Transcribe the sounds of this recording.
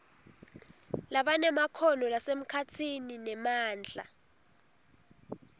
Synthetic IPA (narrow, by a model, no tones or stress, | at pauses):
laɓanɛmakʰɔnɔlasem̩kʰatʰininɛmaːnd͡ɮʱa̰